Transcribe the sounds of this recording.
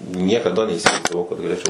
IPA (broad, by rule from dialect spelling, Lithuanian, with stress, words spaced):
nʲiɛkɐˈdɐ nʲɛiːsʲɪʋɐɪzdɐˈʋɐʊ kɐt ɡɐlʲeːˈt͡ʃʲɛʊ